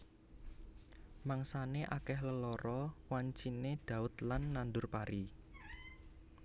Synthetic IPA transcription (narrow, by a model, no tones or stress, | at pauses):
maŋsaneʔakɛhləlɔɾɔwaɲt͡ʃined̪̥ä̤ʊt̪lanːand̪ʊrpaɾi